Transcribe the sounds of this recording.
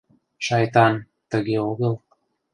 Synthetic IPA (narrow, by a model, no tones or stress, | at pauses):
ʃɑjt̪ɑn | t̪ə̆ɣeoɣəlˠ